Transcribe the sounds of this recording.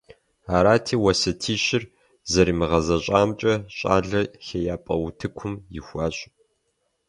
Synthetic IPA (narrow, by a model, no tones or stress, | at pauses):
aːɾaːtʰiːwɐsɐtʰiːʃɪr | zɐɾiːmɨʁɐzɐɕʼaːmt͡ʃʼɐɕʼa̰ːɮɐxɐjaːpʼɐ̰wʊtʰɨkʷʰʊmjɪxʷaːɕʼ